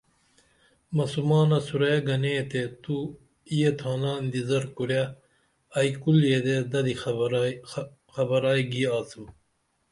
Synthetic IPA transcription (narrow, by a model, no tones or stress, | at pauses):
mɐsumaːnɐsuɾɐjɐɡɐneːt̪et̪u | ijet̪ʰaːnaːnd̪izɐɾkuɾja | ɐikuljed̪ed̪ɐd̪i | xɐbɐɾaːiɡiaːsum